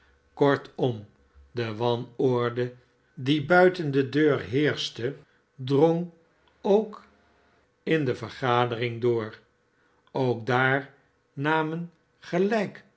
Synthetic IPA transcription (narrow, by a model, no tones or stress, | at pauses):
kɔɹtɔm | dəʋɑnɔɹdə | dibœɥtəndədøːɹɦɪːɹstə | drɔŋ | owk | ɪndəvəɹχaːdərɪŋdʊːɹ | owɡ̚daːɹ | naːmən | χəlɛjk